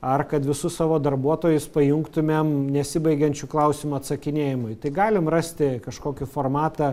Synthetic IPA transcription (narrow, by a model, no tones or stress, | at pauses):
ɐrkɐt̪ʋʲɪsʊssɑːʋoːd̪ɐrbuɔt̪oːjʊspɐjʊŋkt̪ʊmʲemnʲɛsʲɪbɐɪɡʲɛnʲt͡ʃʲuːklˠɐʊsʲɪmʊɐt̪sɐkʲɪnʲeːjɪmʊɪt̪ɐɪɡɑːlʲɪmrɑsʲt̪ʲɪkɐʃkoːkʲɪfoːrmɑːt̪ɐ